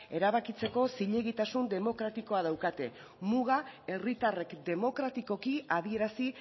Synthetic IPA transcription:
e̞ɾaβ̞akit͡se̞ko̞siʎe̞ɣit̪asund̪e̞mo̞kɾat̪iko̞að̞awkat̪e̞ | muɣae̞rit̪are̞kd̪e̞mo̞kɾat̪iko̞kiaβie̞ɾasi

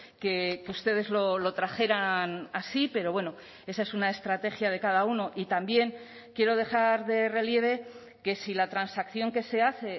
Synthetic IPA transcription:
ke̞keust̪e̞ð̞e̞zlo̞lo̞t̪ɾaxe̞ɾanasipe̞ɾo̞βwe̞no̞ | e̞sae̞sunae̞st̪ɾat̪e̞xjað̞e̞kaðauno̞ʔit̪ambje̞ŋ | kje̞ɾo̞ð̞e̞xaɾðe̞re̞lje̞β̞e̞ | ke̞silat̪ɾansakθjo̞ŋke̞se̞aθe̞

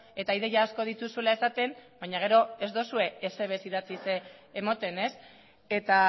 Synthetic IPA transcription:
e̞t̪aiðe̞ʝaːsko̞ð̞it̪usulae̞sat̪e̞mbajɲaɣ̞e̞ɾo̞e̞zd̪o̞sue̞ːse̞βesiðat͡siseːmot̪e̞ne̞s | e̞t̪a

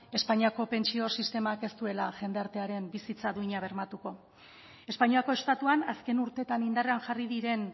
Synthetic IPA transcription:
e̞spaɲiako̞pe̞nt͡sio̞sist̪e̞make̞st̪ue̞laʝe̞nd̪e̞aɾt̪e̞aɾe̞mbisit͡saðuiɲaβ̞e̞ɾmat̪uko̞ | e̞spaɲiako̞e̞st̪at̪uanaske̞nuɾt̪e̞t̪anind̪are̞anʝariðiɾe̞n

